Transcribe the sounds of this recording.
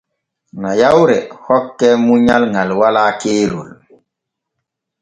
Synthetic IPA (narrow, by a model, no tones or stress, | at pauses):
najawɾɛhɔkːɛmuɲalŋalwalaːkeːɾul